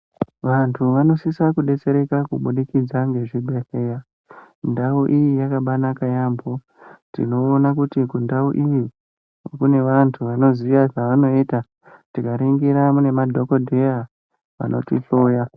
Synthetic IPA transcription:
ʋantʰuʋano̞sisakuɗe̞t͡se̞ɾe̞kakuɓuɗikid͡zaŋɡe̞ʐiɓeɬeja | ndauʔijijakaɓanakajambo | tḭno̞ːnakutikundauʔiʋi | wo̰kune̞ʋantʰuʋano̞ziʋaʐaʋano̞iːta | tikaɾiŋɡiɾamune̞madʱo̞kodʱeja | ʋa̰nʔo̞̰tiɬoːja

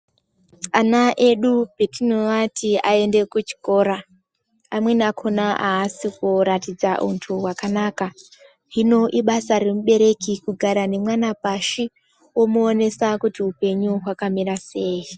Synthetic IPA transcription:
anaʔe̞ɗubʱitinoʋatʰiae̞nde̞kut͡ʃi̥ko̞ːɾaː | mwe̞nakʰo̞naʔaːsikuɾatid͡zaʔṵntʰuwakanaːka | ɦino̞ʔiɓasaɾe̞muɓe̞ɾe̞kikuɡʱaɾane̞mwanapaʃi | wo̞muone̞sakutiupe̞ɲuɦwakamirase̞ːji

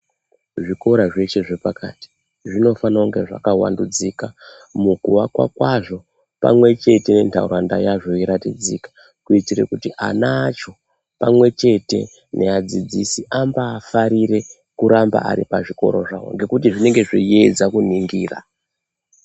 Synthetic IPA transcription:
ʐiko̞ɾaʐe̞t͡ʃe̞ʐepakati̥ | ʐino̞fanauŋɡe̞ʐa̰kawa̰ndud͡ziːka | mukuʋakwa̰kwaʐo̞ | pa̰mwe̞t͡ʃe̞te̞ne̞ntʰa̰ṵɾanda̰jaʐo̞iɾatid͡ziːkḁ | kuitirḛkutiʔa̰nat͡ʃo̞ | pamwe̞t͡ʃe̞te̞̰ | nʔead͡zid͡zisiʔambaːfaɾiɾe̞ | kuɾamba̰ʔa̰ɾipaʐiko̞̰ɾo̞ʐawo̞̰ŋɡe̞kut̬iʐine̞ŋɡe̞ʐijed͡zakuniŋɡiːra̰

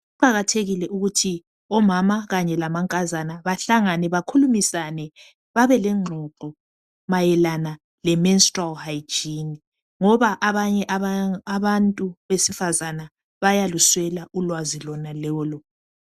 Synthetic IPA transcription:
uǃaɣatʰeɣilɛʔuɣutʰi | ɔmamaɣaɲɛlamaŋkʼazanaβaɬaŋanɛβakʰulumisanɛ | βaβɛlɛŋ͡ǃʱɔǁɔ | majɛlana | lɛmɛnstʼralhajd͡ʒini | ŋɔβaʔaβaɲɛʔaaβantʼuβesifazana | βajaluswɛlaʔulwazilɔnalɔːlɔ

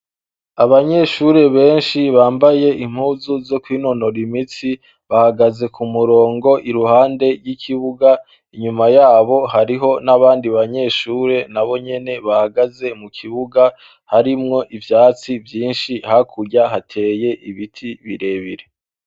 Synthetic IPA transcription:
aβaɲe̞ʃuɾe̞βe̞ːnʃiβaːmbaje̞ʔim̥huːzuzo̞kwiːno̞no̞ɾimit͡si | βahaɡaze̞kʰumuɾo̞ːŋɡo̞ʔiɾuhaːnde̞ɾɡikʰiβuɡa | iɲumajaːβo̞haɾiɦo̞naβaːndiβaɲe̞ʃuːɾe̞naβo̞ɲe̞ne̞βahaɡaze̞mukʰiβuɡa | haɾimŋo̞ʔivjaːt͡sivjiːnʃihakʰuɾɟaɦatʰe̞ːje̞ʔiβitʰiβiɾe̞βiɾe̞

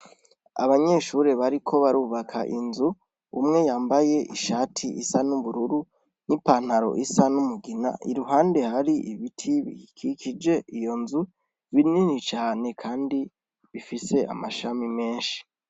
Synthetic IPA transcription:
a̰βaɲe̞ʃuɾe̞βaɾikʰo̞βaɾuːβakʰa̰ʔinzu | ṵmŋe̞jaːmbaje̞ʔiʃaːtʰiisanuβuɾuɾu | nipan̥aɾo̞̰ʔisanumuɡina̰ʔiɾuɦaːnde̞haɾiʔiβitʰiβḭkʰikʰid͡ʒe̞ijo̞nzu | βininit͡ʃaːne̞kʰaːndi | βifise̞a̰maʃamime̞ːnʃi̥

